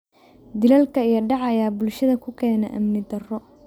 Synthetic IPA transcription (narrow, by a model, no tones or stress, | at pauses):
d̪ɪlɐlkʰɐijɐɖɑʕɑjaːbʊlʃɐðɐkʰʊkʰɛːnɛ̰ʔɐ̰mnɪd̪ɐrɔ